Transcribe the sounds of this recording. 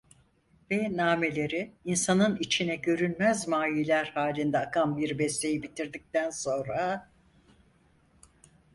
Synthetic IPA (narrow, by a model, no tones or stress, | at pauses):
vɛnaːme̞lʲe̞ɾiinsanɯnit͡ʃʰinɛɟø̞ɾynmɛzmaːjilʲæɾhaːlʲind̪ɛakʰanbiɾbɛst̪e̞jibit̪ʰiɾd̪ic̚t̪ænso̞nɾa